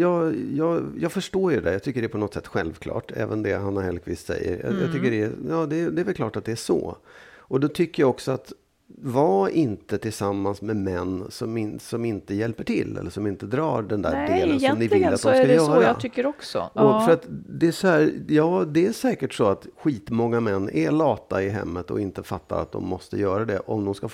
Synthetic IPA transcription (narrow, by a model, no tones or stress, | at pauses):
jɑːjɑːɡjɑːɡfœʂʈoːɾjɵd̪ɛ̰jɑːt̪ʰʏkːəɖɛpʰɔnɔt̪sɛt̪ːɧɛlvkʰlɑ̰ːʈɛ̰ːvənd̪ɛɦanhahɛlkʰvḭːst̪sɛ̰jːə̰ɾjɑ̰jɑ̰t̪ʏkːəɖɛjɑːd̪ɛːd̪ɛæɾvɛlkʰlɑ̰ːʈat̪̚d̪ɛæʂɔ̰ːɔd̪ɔt̪ʰʏkːəjaɔksɔat̪ | vɑːʔɪnt̪ət̪ʰɪlsamːansmɛmɛnːsɔmɪnsɔmɪnt̪əjɛlpəʈʰɪ̰lːɛ̰lːəʂɔmɪnt̪əd̪ɾɑːɖɛnd̪æ̰ːɖːlənɔmnɪvlɪlːat̪̚d̪mskajœːɾjaɑt̪ʰʏkːəɾɔksɔ̰ʔɔfœɾat̪d̪ɛʂɔhæːɾjɑːd̪ɛæʂɛːkəʈʂɔat̪ɧiːt̪mɔŋːamɛnːɛlɑːt̪ːaɪɦɛ̰mːət̪ɔ̰ɪnt̪əfa̰t̪ːa̰ɾa̰t̪̚d̪ɔ̰mːɔst̪əjœːɾad̪ɛʔɔmd̪ɔmskaf